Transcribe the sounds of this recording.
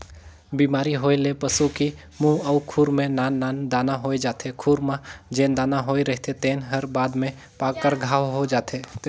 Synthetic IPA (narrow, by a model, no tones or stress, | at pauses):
biːmaːɾiɦoːelepəsuki | mũɐʊkʰuːɾmẽnaːnːaːnd̪aːnaɦoːed͡ʒaːt̪ʰekʰuːɾmãd͡ʒẽːnd̪aːnaɦoːeɾɛɦt̪et̪eːnɦəɾbaːd̪mẽ | paːkːəɾɡʱaːʋɦod͡ʒaːt̪ʰe